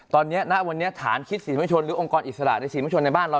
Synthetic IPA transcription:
t̪ɔː˧nːi˦˥ɐna˦˥ʔwa˧nːi˦˥ɐt̪ʰa̰ː˩˦nkʰi˦˥t̪̚siː˨˩˦muː˦˥˩t͡ɕʰo˧nɾɯː˩˦ʔo˧ŋkɔː˧nʔi˨˩t̪̚sa˧a̰˨˩ʔna˧jsi˨˩˦o˧nːa˧jbaː˥˩nɾa˧

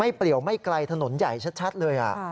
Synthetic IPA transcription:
a˥˩jpli˨˩əwma˥˩jkla˧jt̪ʰa˧no˩˦nja˨˩jt͡ɕʰa˦˥t̪̚t͡ɕʰa˦˥t̪̚lɤː˧jʔa̰˨˩

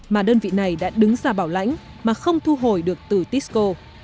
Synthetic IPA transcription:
maː˨˩ɗəː˧nvḭ˧˨na˨˩jɗa̰ː˧˥ɗɨ˨˦ŋzaː˧˩ɓaː˧˩wla̰˧˥jŋ̟ | maː˨˩xə˧wŋ͡mt̪ʰu˧ɦo˨˩jɗɨ˨˩ək̚t̪ɨ˨˩t̪i˦˥ko˧

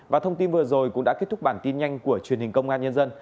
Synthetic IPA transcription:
vaː˨˩t̪ʰə˧wŋ͡mt̪i˧nvɨ˨˩əzo˨˩jkʊ̰˧˥ŋ͡mɗa̰ː˧˥e˦˥t̚t̪ʊ˦˥ɓaː˧˩nt̪i˧nɲa˧jŋ̟ku˧˩ət͡ɕwi˨˩ənhï˨˩ŋ̟kə˧wŋ͡mʔaː˧nɲə˧nzə˧n

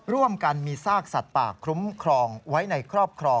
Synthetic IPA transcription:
ɾu˥˩əmka˧nmiː˧saː˥˩k̚sa˨˩t̪̚pa̰ː˨˩kʰɾu˦˥mkʰɾɔː˧ŋwa˦˥jna˧jkʰɾɔː˥˩p̚kʰɾɔː˧

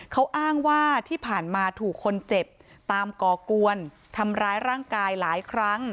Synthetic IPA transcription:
kʰa˦˥wʔaː˥˩ŋwaː˥˩t̪ʰiː˥˩pʰaː˨˩nmaː˧t̪ʰuː˨˩kʰːo˧nt͡ɕe˨˩p̚ | t̪aː˧mkɔː˨˩ku˧ən | t̪ʰa˧mɾaː˦˥jɾaː˥˩ŋkaː˧jlaː˩˦jkʰɾa˦˥ŋ

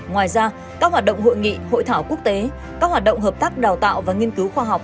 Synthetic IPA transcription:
ŋwaː˨˩jzaː˧ | kaː˦˥k̚hwaː˨˩t̚ɗə̰˧˨wŋ͡mɦo̰˧˨jŋḭ˧˨ho̰˧˨jt̪ʰaː˧˩wku˦˥ək̚t̪e˨˦ | kaː˦˥k̚hwaː˨˩t̚ɗə̰˧˨ŋ͡mɦəː˨˩p̚t̪aː˦˥k̚ɗaː˨˩wt̪a̰ː˧˨wvaː˨˩ŋi˧ənkɨ˨˦wxwaː˧ɦa˨˩wk͡p̚

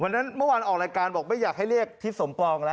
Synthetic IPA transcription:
wa˧nːa˦˥nmɯ˥˩waː˧nʔɔː˨˩kɾaː˧jkaː˧nbɔː˨˩k̚ma˥˩jaː˨˩k̚ha˥˩jɾi˥˩ək̚t̪ʰi˦˥˩so˩˦mpɔː˧ŋlɛ˦

